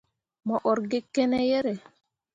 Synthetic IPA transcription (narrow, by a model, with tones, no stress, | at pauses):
mɔ˨ʔɔ˨ɾɡe˦kːɛ˦nɛ˦jɛ˦ɾɛ˨